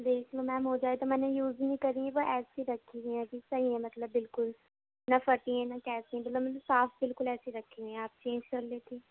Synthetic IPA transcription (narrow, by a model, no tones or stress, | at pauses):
d̪eːkʰloːmɛ̃ːmõːd͡ʒaːeːt̪aːmɛ̃nẽːjuːznĩːkəɾĩɛ̃ʋoːʔɛːsiːɾəkʰːiːd̪iɛ̃ːkisəiɛ̃ːmət̪ləbːɪlkʊl | naːfəʈiɛ̃ːnaːkɛːsĩãːmət̪ləbmələbsaːpbɪlkʊlɛːsiːɾəkʰːiɛ̃aːp̚t͡ʃẽːɲd͡ʒkəɾleːt̪iː